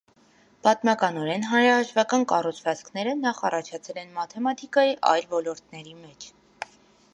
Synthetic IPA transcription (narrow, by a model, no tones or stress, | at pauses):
b̥ɑt̪mɑkɑnɔɾɛnɦɑnɾɑhɑʃvɑkɑnkɑrut͡sʰvɑt͡skʰnɛɾənɑχɑ̰rɑt͡ʃʰɑt͡sʰɛlɛnmɑt̪ʰɛmɑt̪ʰikɑjiʔɑ̰jlvɔlɔɾt̪nɛɾimɛt͡ʃʰ